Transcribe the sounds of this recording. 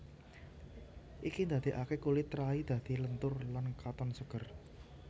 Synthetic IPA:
ʔikind̪a̤d̪̥i̤ʔakekulit̪ɾaid̪̥ä̤d̪̥i̤lənt̪ʊrlankat̪ɔnsəɡ̥ə̤r

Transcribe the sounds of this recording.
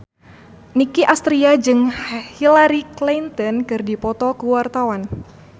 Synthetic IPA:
nikiʔast̪ɾiad͡ʒɨŋhilaɾiklint̪ɔnkɨrdipɔt̪ɔkəwart̪awan

